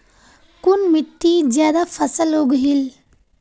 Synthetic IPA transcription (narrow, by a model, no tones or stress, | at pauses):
kunmit̪ːid͡ʒjaːd̪afʰɐsəloɡɦil